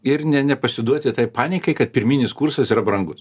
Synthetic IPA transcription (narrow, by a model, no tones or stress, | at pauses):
ɪɾnʲɛnʲɛpɐsʲɪd̪uɔt̪ʲɪt̪ɐɪpɑːnʲɪkɐɪkɐt̪̚pʲɪɾʲmʲinʲɪskuːrsɐsiːɾɐbɾɐŋɡʊs